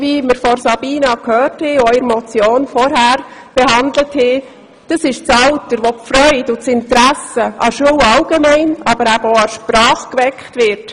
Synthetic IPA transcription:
viməɾfɔɾsɑb̥iːnɑkʰhøːrthɛɔɪɾmɔt͡sjoːnfɔɾɦæːɾb̥eɦɑnd̪ləthɛ | d̥ɑsɪʃt͡sɑltəɾʋɔfɾœʏdʊt͡sɪntɾæsəʔɑʃuːwɑlɡ̥emæɪnɑbəɾæbəoɑʃpɾɑːχkʋɛkχtʋɪɾt

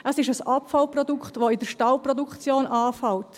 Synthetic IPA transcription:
ʔəsɪʃəsɑpfalprɔdukχtʋoɪdəʃtɑlprɔdukt͡sjoːnʔɑːfalt

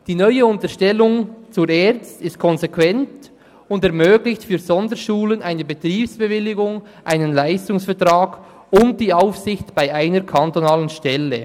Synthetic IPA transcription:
d̥iːnɔʏəʊntəʃtɛlʊŋt͡sʊːɾɛːɾt͡stɪst̚kʰɔnzekwɛnt | ʊndɛɐmøːɡlɪçtfyːɾzɔndəʃuːlənʔaɪnəbetɾiːpsb̥evɪlɪɡʊŋ | ʔa̰ɪnənlaɪstʊŋsfɛɐtɾaːɡ̥ | ʊnt̚d̥iːaʊfsɪçtb̥aɪʔaɪnəɾkʰantonaːlənʃtɛlə

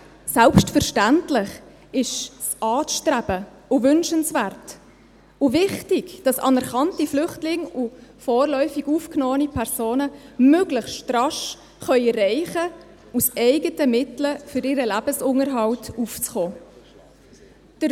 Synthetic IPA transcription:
sɛlpstfərʃtæntlɪχ | ɪʃsʔɑːʃtræb̥ə | ʊvʏnʃənsvæːɾt | ʊvɪχtɪɡd̥ɑsɑ̰nɛɾχɑntiflʏχtlɪŋʊfɔːrlœʏfiɡufknɔːənipʰɛɾsoːnəmøɡləχstrɑʃ | χœʏrɛɪχə | usɛɪɡətəmɪtləfʏɾɪɾəlæb̥əsʊŋəɾɦɑltuft͡sχɔː | d̥əɾ

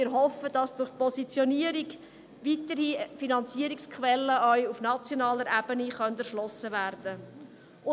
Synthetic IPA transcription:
ɪːɾɦɔfəd̥ɑsd̥ʊrχt̚pʰɔsit͡sjɔniəɾiɡ | ʋiːtəɾifinɑnt͡siəɾikskʰχʋɛlːəʔœɥufnɑt͡sjɔnɑːləɾeb̥əniχœndæɾʃlɔsəvæːrd̥ə

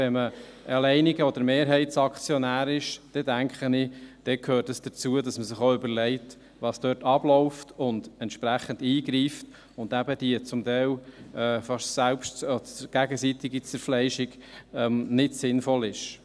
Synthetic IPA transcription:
ʋɛnmə | əlɛɪniɡəɔd̪əɾmeːɾɦɛɪtsɑkχt͡sjɔnæːɾɪʃd̥ɛdæŋkχənid̥ɛkʰhøːɾtəsd̥ət͡suədɑsməsɪχoʏbəɾlɛɪt | ʋɑːsd̥œːtɑb̥lɔʊftʊndɛntʃpɾæχəndiːɡɾiːft | ʊndæbəd̥iət͡sʊmtɛɪlɛːfɑʃsælpʃtɔdɡ̥æɡəsit̪ɪɡit͡sɛɾflɛɪʃɪɡɛmnɪtsɪnfɔlɪʃ

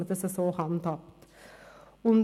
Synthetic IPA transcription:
ət̪əsɛsoːhɑnt̪ʰɑpt̪ | ʊm

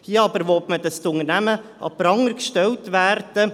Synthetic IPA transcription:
hiəɑbəɾʋotməd̪əst̪ʊŋəɾnæməʔɑ̰pɾɑŋːəɾkʃtɛltʋæːrd̥ə

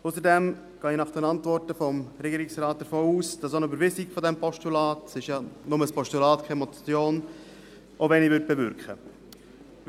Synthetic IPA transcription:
ʊsəɾdɛm | ɡ̥ɑːinɑχd̥ɛnɑntvɔrtəfɔmɾɛɡiːɾɪksrɑːt̚d̥əɾfoːuːsd̥ɑsonəybəɾʋɪsikfɔdɛmpɔʃtulɑːtsɪʃjɑnʊməspɔʃtulɑːtkʰɛmɔt͡sjoːn | ʔovɛnivʏɾt̚b̥evʏɾkχə

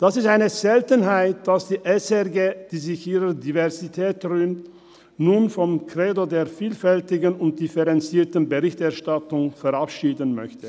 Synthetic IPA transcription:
d̥asɪstaɪnəzɛltənɦaɪt̚d̥asd̥iːʔɛsɛʁɡeːd̥iːzɪçʔiːʁədivɛʁzitʰɛːtʁyːmt | nunfɔmkʁ̥eːdodeːɐfiːlfɛltɪɡənʊnt̚d̥ifɛʁɛnt͡siːtənbəʁɪçtɛɐʃtatʊŋfɛʁapʃiːdənmœ̰çtə

